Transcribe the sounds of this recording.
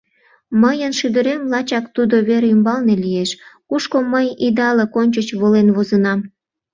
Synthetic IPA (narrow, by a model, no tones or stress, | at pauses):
məjənʃyd̪əɾemlɑt͡ɕɑkt̪ud̪oβeɾeymbɑlnelijeʃkuʃkoməjid̪ɑlekonʲt͡ɕət͡ɕβolenβozənɑm